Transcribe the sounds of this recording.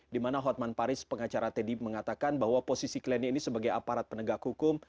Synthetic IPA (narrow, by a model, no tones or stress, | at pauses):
dimanaɦɔt̪̚manpaɾɪspəŋat͡ʃaɾat̪ediməŋat̪akanbahwaposisiklɛniinisəbaɡajapaɾat̪̚pənəɡakhukʊm